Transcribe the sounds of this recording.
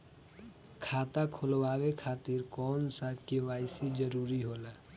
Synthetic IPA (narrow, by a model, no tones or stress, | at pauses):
kʰaːt̪akʰʊlwaːwekʰaːt̪iːɾkɔːnsaːt̪kiʋaːɪsid͡ʒəɾuːɾiɦoːlaː